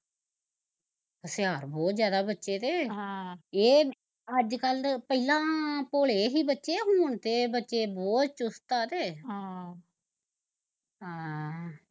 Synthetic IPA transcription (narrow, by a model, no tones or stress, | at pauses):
əsɪjaːɾbɔːt̪zjaːd̪aːbətːʃeːt̪ẽː | eː | əd͡ʒkəlpəilãːpoːleːɦiːbətːʃeːɦuːɳt̪eːbətːʃeːbɔːt̪t͡ʃʊst̪aːt̪eːɦa | ɦãː